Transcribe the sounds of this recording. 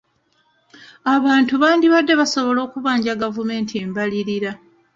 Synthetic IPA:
aβaːntuβaːndiβadːe̞βaso̞βo̞lo̞ːkuβaːɲɟaɡavume̞ːntʰieːmbaliɾiɾa

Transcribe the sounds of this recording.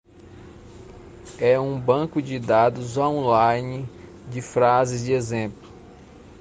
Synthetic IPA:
ɛũbɐ̃kʊd͡ʒɪd̪ad̪ʊzõw̃lajnɪ | d͡ʒɪfɾazɪzd͡ʒɪezẽplʊ

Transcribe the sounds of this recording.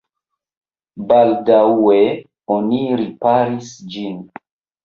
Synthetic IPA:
baldawe | oniɾipaɾisd͡ʒin

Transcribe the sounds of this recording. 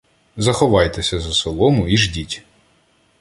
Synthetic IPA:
zɐxɔʋɑjt̪esʲɐzɐsɔlˠɔmʊiʒdʲitʲ

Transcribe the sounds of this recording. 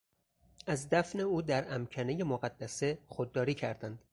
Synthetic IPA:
ʔæzd̪æfne̞uːd̪æɾæmcʰæne̞je̞moɣæd̪ːæse̞xod̪ːɒːɾiːcʰæɾd̪ænd̪̥

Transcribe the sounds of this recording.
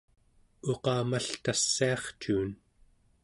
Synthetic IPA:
oqɑːmaɬt̪asːiɑχt͡ʃuːn

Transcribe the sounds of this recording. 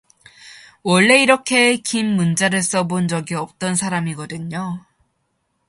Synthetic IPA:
wʌɭːe̞iɾʌkʰe̞kimːund͡ʑaɾɯɭs͈ʌbond͡ʑʌɡiʌp̚t͈ʌnsʰaɾamiɡʌdɯɲo

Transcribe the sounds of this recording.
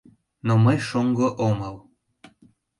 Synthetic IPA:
noməjʃoŋɡoʔoməl

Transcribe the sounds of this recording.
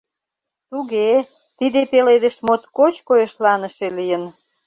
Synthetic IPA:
t̪uɣe | t̪id̪epeled̪eʃmot̪kot͡ɕkojeʃlɑnəʃelijən

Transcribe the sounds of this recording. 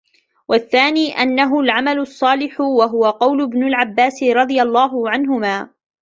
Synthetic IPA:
wʔaθːaːniːʔanːaɦʊlʕamalʊsˤːɑːlɪħʊwaɦʊwaqɑwlʊbnʊlʕabːaːsɪɾˤɑd̪ˤɨjalˤːɑːɦʊʕanɦʊmaː

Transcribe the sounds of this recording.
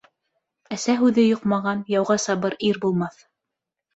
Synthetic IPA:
æsæɦʉðɘjoqmɑʁɑnjɑwʁɑsɑβɤɾiɾbulˠmɑθ

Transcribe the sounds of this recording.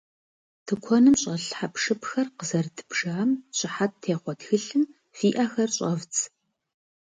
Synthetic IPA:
tʰɨkʷʰɔnɨmɕʼɐɬħapʂɨpxɐrqəzɐrtʰɨ̥baːmɕʼɪħat̚tʰeːχʷɔtxɨɬɨm | fiːʔaxɐrɕʼɐvt͡sʰʼ

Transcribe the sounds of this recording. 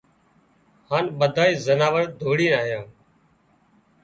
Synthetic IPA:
haːnɓəd̪ʱaːiːzənaːʋəɾd̪ʱoːɽiːnaːɦɪjãː

